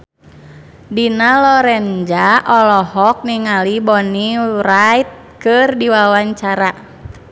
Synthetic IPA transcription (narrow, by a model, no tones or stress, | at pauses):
dinalɔɾɛnd͡ʒaʔɔlɔhɔk̚niŋalibɔniɾait̪̚ | kɨrdiwawaɲt͡ʃaɾa